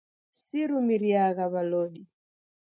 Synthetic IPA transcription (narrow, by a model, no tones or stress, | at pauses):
siɾumiɾiaɣaβalɔɗi